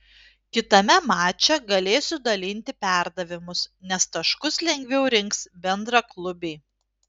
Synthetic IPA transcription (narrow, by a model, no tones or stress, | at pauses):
kʲɪt̪ɐmʲɛmɑːt͡ʃʲɛɡɐlʲeːsʊd̪ɐlʲɪnʲt̪ʲɪpʲæˑɾd̪ɐʋʲɪmʊsnʲɛst̪ɐʃkʊslʲɛŋʲɡʲʋʲɛʊɾʲɪŋksbʲɛnd̪ɾɐklˠʊbʲeː